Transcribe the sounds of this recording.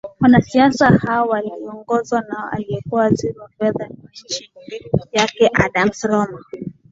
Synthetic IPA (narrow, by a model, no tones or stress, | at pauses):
wanasiasahaɔwaliɔŋɡɔzwanaɔa̰liɛkuwaziɾɔfɛðanat͡ʃijakɛʔaɗam̩sɔlɔma